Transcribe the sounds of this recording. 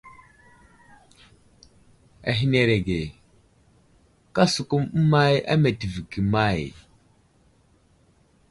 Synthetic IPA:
a̰˨ɦi˦ne˨ɾe˨ɡe˨ | ka˦su˨ku˦m̩˦ma˦ja̰˦me˨ti˨vi˨ki˨ma˦˨j

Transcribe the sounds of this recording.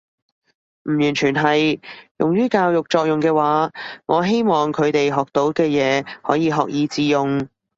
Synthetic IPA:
m̩˨˩jyː˨˩nt͡ʃʰyː˨˩nɦɐ˨jjʊ˨ŋjyː˥kaː˧wjʊ˨k̚t͡ʃɔː˧k̚jʊ˨ŋkɛː˧waː˨˥ŋɔː˨˧ɦe˥jmɔː˨˩ŋkʰɵ˨˧ɥt̪e˨jɦɔː˨k̚t̪o˨˥wkɛː˧jɛː˨˧hɔː˨˥jiː˨˧ɦɔː˨k̚jiː˨˧t͡siː˨˧jʊ˨ŋ

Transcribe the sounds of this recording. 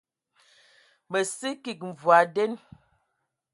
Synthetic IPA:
mə˨si˦ki˨k̚m̩˨vwa˨dɛ˦n

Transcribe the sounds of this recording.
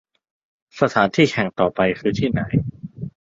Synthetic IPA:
sa˧t̪ʰaː˩˦nt̪ʰiː˥˩kʰɛ˨˩ŋt̪ɔː˨˩pa˧jkʰɯː˧t̪ʰiː˥˩na˩˦j

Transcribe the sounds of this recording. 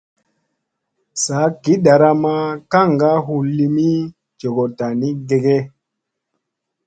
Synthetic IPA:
sa˨˦ki˨˦ɗa˨ɾa˦ma˦ka˦˨ŋɡa˦ɦu˨lːi˦mi˦ | d͡ʒo˨ɡo˨ta˨ni˦ɡe˨ɡe˦

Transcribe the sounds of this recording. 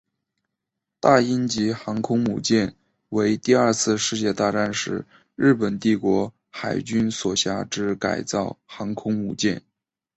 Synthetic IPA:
t̪a˥˩i˥nt͡ɕi˧˥xɑ˧˥ŋkʰʊ˥ŋmṵ˨˩t͡ɕjɛ˥˩n | we˧˥ɪt̪i˥˧ɐə˞˥˧t͡sʰɹ̩˥˧ʂɻ̩˥˧t͡ɕjɛ˥˧t̪a˥˧ʈ͡ʂa˥˩nʂɻ̩˧˩ | ɻɻ̩˥˩pə˨˩nt̪i˥˩kwɔ˧˥ | xa˨˩ɪt͡ɕy˥nswɔ˨˩ɕja˥ʈ͡ʂɻ̩˥ka̰˨˩ɪt͡sɑ˥˩ʊxɑ˧˥ŋkʰʊ˥ŋmṵ˨˩t͡ɕjɛ˥˩n

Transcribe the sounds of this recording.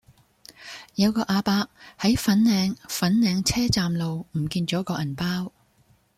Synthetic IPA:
jɐ˨˧wkɔː˧ʔaː˧paː˧k̚hɐ˨˥jfɐ˨˥nnɛː˨˧ŋfɐ˨˥nnɛː˨˧ŋt͡sʰɛː˥t͡saː˨mlo˨wm̩˨˩kiː˧nt͡ʃɔː˨˥kɔː˧ʔɐ˨˩npaː˥w

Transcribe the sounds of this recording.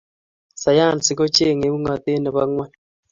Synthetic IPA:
sa˨jaː˦˨n˨si˨ko˦t͡ʃe˦˨ŋe˨˦βu˦ŋa˨te˦na˨βa˦ŋwɛ˦

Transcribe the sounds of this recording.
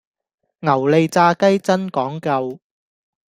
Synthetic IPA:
ŋɐ˨˩wle˨jt͡saː˧kɐ˥jt͡sɐ˥nkɔː˨˥ŋkɐ˧w

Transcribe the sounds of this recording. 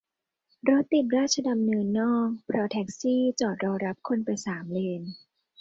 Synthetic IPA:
ɾo˦˥t̪̚ːi˨˩t̪̚ɾaː˥˩t̪̚t͡ɕʰa˧da˧mnɤː˧nːɔː˥˩k̚pʰɾɔ˦˧˥t̪ʰɛ˦˥k̚siː˥˩t͡ɕɔː˨˩t̪̚ɾɔː˧ɾa˦˥p̚kʰo˧npa˧jsaː˩˦mleː˧n

